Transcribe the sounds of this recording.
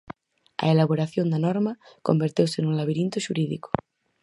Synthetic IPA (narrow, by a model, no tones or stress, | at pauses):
a̰elaβoɾaθjond̪anɔɾmako̰mbeɾt̪ewsenũnlaβiɾint̪oʃuɾiðiko̥